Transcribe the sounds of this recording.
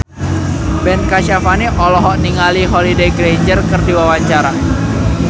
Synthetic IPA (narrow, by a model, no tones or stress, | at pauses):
b̥ɛnkaʃafaniʔɔlɔɦɔʔniŋaliɦɔlideɡɾeɲd͡ʒərkərdiwawaɲt͡ʃaɾa